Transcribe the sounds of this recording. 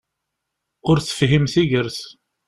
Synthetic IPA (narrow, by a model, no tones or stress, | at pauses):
ʊɾθə̥fɦimθiʝəɾθ